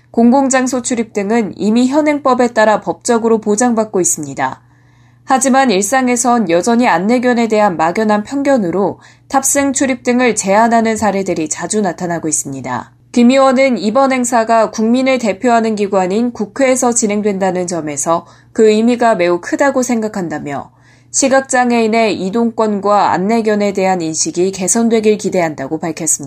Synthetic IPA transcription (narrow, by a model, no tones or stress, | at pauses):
koŋɡoŋd͡ʑaŋsʰot͡ɕʰuɾip̚t͈ɯŋɯnḭmiçjʌnɦe̞ŋp͈ʌbe̞t͈aɾapʌp̚t͡ɕ͈ʌɡɯɾopod͡ʑaŋbak̚k͈ois͈ɯmɲida̰ | had͡ʑimaniɭs͈aŋe̞sʰʌnjʌd͡ʑʌɲianːe̞ɡjʌne̞de̞ɦanmaɡjʌnɦanpʰjʌŋɡjʌnɯɾo | tʰap̚s͈eŋt͡ɕʰuɾip̚t͈ɯŋɯɭt͡ɕe̞anɦanɯnsʰaɾe̞dɯɾit͡ɕad͡ʑunatʰanaɡois͈ɯmɲida̰ | kimiwʌnɯnibʌnɦe̞ŋsʰaɡakuŋminɯɭte̞pʰjoɦanɯnɡiɡwaɲinkukʰwe̞ːsʰʌt͡ɕine̞ŋdwe̞ndanɯnt͡ɕʌme̞sʰʌ | kɯimiɡame̞ukʰɯdaɡosʰe̞ŋɡakʰandamjʌ | ɕʰiɡak̚t͡ɕ͈aŋe̞ine̞idoŋk͈wʌnɡwaa̰nːe̞ɡjʌne̞de̞ɦaninɕʰiɡike̞sʰʌndwe̞ɡiɭkide̞ɦandaɡopaɭkʰjʌs͈ɯmɲi